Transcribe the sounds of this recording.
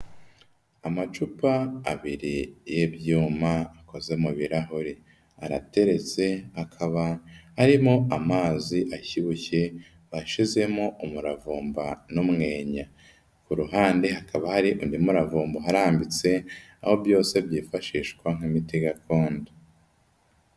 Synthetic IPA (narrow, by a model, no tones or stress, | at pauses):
amat͡ʃupaːβiɾijebjuːmaːko̞ze̞muβiɾaɦuɾi | a̰ɾa̰te̞ɾe̞t͡se̞akʰaβahaɾimoamaːziʔaçiβuçe̞ | βaʃize̞moʔumuɾavuːmbanumŋe̞ːɲa | kuɾuɦaːndehakaβahaɾiʔundimuɾavuːmboɦaɾaːmbit͡se̞aho̞bjo̞ːse̞bjiːfaʃiːʃkwaŋ̥imitiɡakoːndu